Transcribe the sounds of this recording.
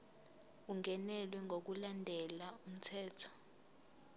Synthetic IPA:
uŋʱɛnɛlwɛŋʱok̬ulandʱɛlaum̩tʰɛːtʰɔ̥

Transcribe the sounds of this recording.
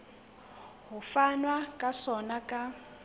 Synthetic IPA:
ɦufanwakʼasɔnakʼa

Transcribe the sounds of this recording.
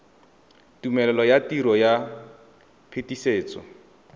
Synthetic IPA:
tumɛlɛlɔjatiɾɔja | pʰetiseːt͡sʼɔ

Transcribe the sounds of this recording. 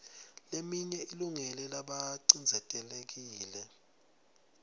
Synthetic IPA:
lemiɲɛiluŋɛlɛlaɓaǀind͡zʱɛtʼɛlek̬iːlɛ

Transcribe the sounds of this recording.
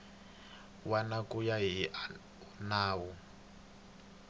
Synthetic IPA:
wanakujaɦiʔ | unaːwu

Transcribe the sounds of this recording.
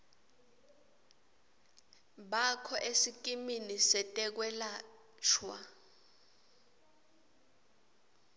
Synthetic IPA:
ɓakʰɔʔesikʼiminisɛtʼɛk̬wɛla | t͡ʃʰwa

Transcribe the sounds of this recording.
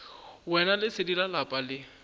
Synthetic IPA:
wɛnalɪsɪdilalapʼalɪ

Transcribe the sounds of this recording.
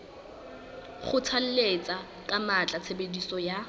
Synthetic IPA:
χʊt͡sʰal̩let͡sʼa | kʼamat͡ɬʼat͡sʰebedisɔja

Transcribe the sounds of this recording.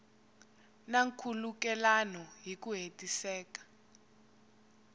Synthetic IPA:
naŋkʰulukɛlanɔɦik̬uɦetʼisɛːkḁ

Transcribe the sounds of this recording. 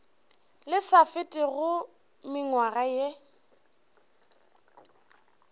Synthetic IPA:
lɪsafɪtʼɪɣʊ | mɪŋwaɣaje

